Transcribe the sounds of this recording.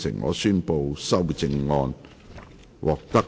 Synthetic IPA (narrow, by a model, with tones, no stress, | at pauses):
sɪ̰˨˩ŋŋɔ̰ː˨˧syː˥npo˧wsɐ˥wt͡sɪ˧ŋːɔː˧n | wʔɔː˨˩k̚t̪ɐ˥k